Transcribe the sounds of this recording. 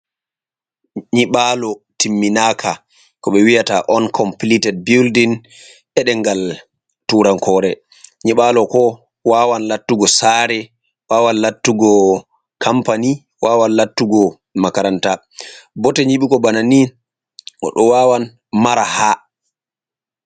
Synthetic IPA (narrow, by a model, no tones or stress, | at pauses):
ɲiɓalɔtimːinakʰa | kɔɓɛwijataʔɔnkʰɔmplitɛd̚bildin | ʔɛɗɛŋɡal | tuɾaŋkʰɔːɾɛ | ɲiɓalɔkɔ | waːwanlatːuɡɔsaːɾɛ | waːwanlatːuɡɔ | kʰampani | waːwanlatːuɡɔ | makaɾanta | bɔtɛɲiɓikɔbananin | ʔɔ̰ɗɔwaːwan | maɾaha